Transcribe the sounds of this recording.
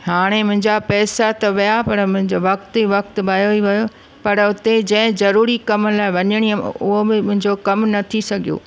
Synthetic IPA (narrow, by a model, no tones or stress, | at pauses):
ɦaːɽ̃emʊ̃ɦɪ̃ɲd͡ʑapɛːsat̪ɐʋɪjapɐɾmʊ̃ɦɪ̃d͡ʑʋɐkt̪iʋɐk̚t̪bɐːjoiʋɐjo | pɐɾʊt̪ed͡ʑɐ̃ɦɪ̃zɐɾuːɾikɐmlaːɪʋɐɲəɽ̃iʊɦobɪmʊ̃ɦɪ̃ɲd͡ʑokɐmnɐt̪ʰisɐɡʱijo̰ː